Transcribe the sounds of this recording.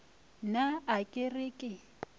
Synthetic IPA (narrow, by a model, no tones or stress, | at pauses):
naakʼɪrɪkʼɪ